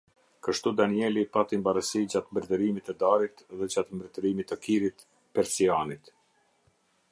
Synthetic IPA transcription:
kəʃt̪ud̪aniɛlipat̪imbaɾəsid͡ʑat̪mbɾɛt̪əɾimit̪ɛd̪aɾit̪ðɛd͡ʑat̪mbɾɛt̪əɾimit̪əkiɾit̪ | pɛɾsianit̪

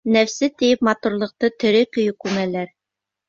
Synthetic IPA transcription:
næfsɘt̪ɘ̆jɘpmɑt̪uɾlˠɤ̆q̚t̪ɤt̪ɵ̆ɾɘkɵ̆jɵkʉmælæɾ

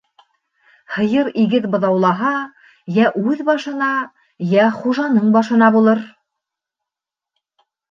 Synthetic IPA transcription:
hɤ̆jɤɾiɡɘðbɤ̆ðɑwlˠɑɦɑ | jæʔʉðbɑʃɤ̆nɑ | jæχuʒɑnɤɴbɑʃɤ̆nɑbulˠɤɾ

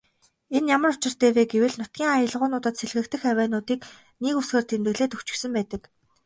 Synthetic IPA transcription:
enjamə̆rʊt͡ɕɪ̆r̥t̪eːweːɡewɘ̆ɮnʊt̪̚ɡʲiːŋajə̆ɮʁʊːnʊːt̪ə̆t̪seɮɣɘ̆kt̪ʰɘ̆xæwæːnʊːt̪iːk | nekusxeːrt̪ʰemt̪ɘ̆ɣɮeːt̪ɵkt͡ɕɪ̆ksɘ̆mpæːt̪ə̆k

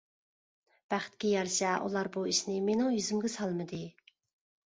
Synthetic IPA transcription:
b̥æχɪ̥t̪̚kʲɛjɑɾʃɛʔṵlˠɑɾbuiʃnɪmenɪŋjyzymɡʲɪsɑlˠmɨd̪ɨ

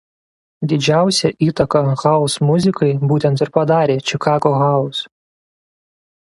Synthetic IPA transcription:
d̪ʲɪd͡ʒʲæˑʊsʲɛʔiːt̪ɐkɐɣɐlˠsmʊzʲɪkɐɪbuːt̪ʲɛnt̪ɪɾpɐd̪ɑːɾʲeːt͡ʃʲɪkɑːɡoːɣɑlˠs

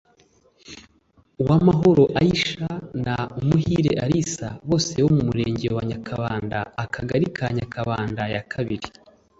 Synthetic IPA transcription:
uwamaɦo̞ɾo̞ʔajiʃanaumuhiːɾḛʔaɾisaβo̞ːse̞womumuɾeːɲɟewaɲakʰaβaːndaːkʰaɡaɾikʰaɲakʰaβaːndajakʰaβiɾi

